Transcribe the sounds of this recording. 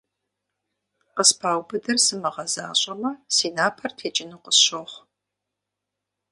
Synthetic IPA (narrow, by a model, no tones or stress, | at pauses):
qəspʰaːwbɨdɐrsɨmɐʁɐza̰ːɕʼɐmɐsiːnaːpʰɐrtʰeːt͡ʃʼɪnuqəsɕoχʷ